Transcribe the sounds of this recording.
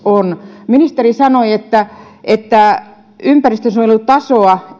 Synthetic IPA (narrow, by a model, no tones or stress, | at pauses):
onminist̪erisɑnoiet̪ːæʔet̪ːæ | ympærist̪øsuojolːut̪t̪ɑsoɑ